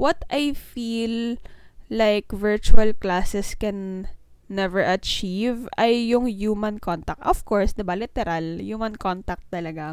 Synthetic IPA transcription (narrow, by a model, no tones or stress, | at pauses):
wɐt̪ajfilː | ajkvɛɹt͡ʃʊɐlklaːsɛskɛnː | ɛvɛɹʔɐt͡ʃivʔɐjːʊŋjuːmɐnkont̪ɐk̚t̪ɔv̥koɹsd̪ɐbalɪt̪ɛɾaljuːmɐnkont̪ɐk̚t̪ːɐlɐɡa